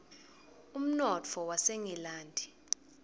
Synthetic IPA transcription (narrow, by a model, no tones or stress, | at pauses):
um̩nɔt͡fʰɔwaseŋɛlaːndʱi